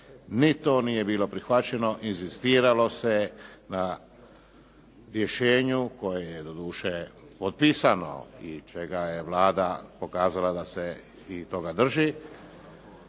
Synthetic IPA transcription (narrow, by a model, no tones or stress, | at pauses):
nit̪o̞nije̞biːlo̞pɾixʋat͡ɕe̞no̞ʔinzist̪iːɾalo̞se̞na | ɾje̞ʃeːɲuko̞jejed̪o̞d̪uːʃepot̪̚piːsano̞̰it͡ʃe̞ɡajeʋlaːd̪apo̞kaːzalad̪ase | it̪o̞ɡad̪r̩ʒi